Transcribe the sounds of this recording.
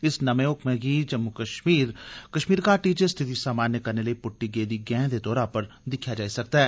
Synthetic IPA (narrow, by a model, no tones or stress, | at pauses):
ɪsnɐmeoːkʰmẽɡid͡ʒɐmːukɐʃmiːɾkɐʃmiːɾkaʈiːd͡ʒəst̪ʰɪt̪isaːmaːnjəkɐɾneləipʊʈːiɡeːd̪iɡɛ̃ːd̪et̪ɔːɾapɐɾd̪ɪkʰjad͡ʒaːisɐk̚t̪aɦɛː